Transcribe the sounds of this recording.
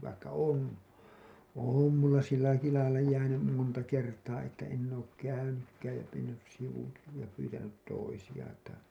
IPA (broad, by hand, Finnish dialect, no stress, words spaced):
ʋɑikːɑ on oˑm mulːɑ silːɑiki lɑilːɑ jæːnym montɑ kertɑː etːæ enː oːk kæynykːæːj jɑ menːys siʋuki jɑ pyːtænyt toisij̆ɑ tɑi